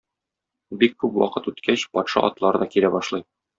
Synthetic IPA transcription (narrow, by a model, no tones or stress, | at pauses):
bikkːʉpwɒ̰qɤt̪ʉt̪kʰæɕpɒt̪ʃɑʔɒt̪lˠɑɾɤd̪ɒkilæbɒʃlˠɤj